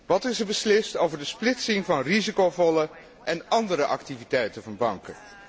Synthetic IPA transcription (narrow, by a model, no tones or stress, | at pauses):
ʋɑtɪzəbəslɪstowvəɹdəsplɪtsɪŋvɑnrizikowvɔlə | ʔɛnɑndəɾəʔɑktivitɛjtənvɑnbɑŋkə